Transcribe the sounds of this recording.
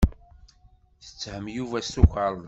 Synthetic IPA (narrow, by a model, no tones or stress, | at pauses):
θə̥t͡sːhəmjuvæst̪ukʷəɾˤ